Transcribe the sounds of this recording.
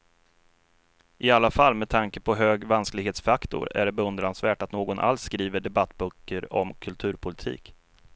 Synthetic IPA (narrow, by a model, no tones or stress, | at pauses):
ʔɪalːafalːmɛd̪t̪ʰaŋkəpʰɔɦøːɡvansklɪɡheːt̪sfakt̪ʊ̰ɾæ̰ɖɛbɛɵnd̪ɾansvæːʈat̪noːɡɔnʔa̰lsːkɾiːvəɖɛbat̪ːbœkːəɾɔ̰mkʰɵlt̪ʰʉ̟ːɾpʰʊlɪt̪ʰḭːk